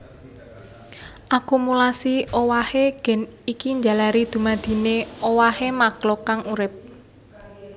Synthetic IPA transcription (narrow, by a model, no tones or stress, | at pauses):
ʔakumulasiʔowaheɡ̥ɛ̤nikiɲd͡ʒa̤laɾid̪̥ṳmad̪̥i̤neowahemaɡ̥lɔkaŋuɾɪp̚